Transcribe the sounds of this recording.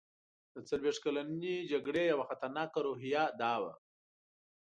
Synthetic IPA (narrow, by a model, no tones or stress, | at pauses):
d̪ət͡salweʂt̪̚kalanid͡ʒaɡɽejawaxat̪aɾnɑkaɾoɦijɑd̪ɑwa̰